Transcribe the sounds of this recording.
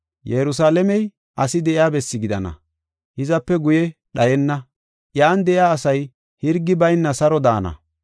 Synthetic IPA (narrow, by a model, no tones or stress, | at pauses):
jɛɾʊs̬aːlɛmɛj | ʔɐsɪd̪ɛʔjaːbɛsːɪɡɪd̪ɐnɐ̰ | hɪzɐpːɛɡʊjɛɗɐjɛnːɐ | ʔjaːnd̪ɛʔɪjaːsɐj | hɪɾɡːɪbɐjnːɐsɐɾɔd̪a̰ːnɐ̰